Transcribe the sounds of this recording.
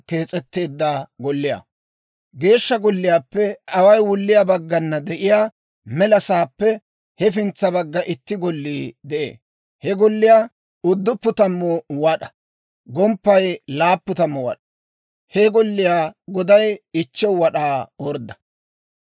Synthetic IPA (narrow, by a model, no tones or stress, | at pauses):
ke̞ːt͡sʼɛt̪ːe̞ːd̪ːaːɡɔlːɪja̰ | ɡe̞ːʃːɐɡɔlːɪjaːpːɛʔɐwɐjwʊlːɪjabɐɡːɐnːɐd̪ɛʔɪjaː | mɛlɐsaːpːɛ | hɛfɪnt͡sːɐbɐɡːɐʔɪt̪ːɪɡɔlːiːd̪ɛʔḛː | hɛɡɔlːɪjaː | ʊd̪ːʊpːʊt̪ɐmːɔwɐɗɐ̥ | ɡɔmpːɐjlaːpːʊt̪ɐmːɔwɐ̰ɗɐ | hɛɡɔlːɪjaːɡɔd̪ɐjɪt͡ʃːɛwwɐɗaːɔɾd̪ːɐ̥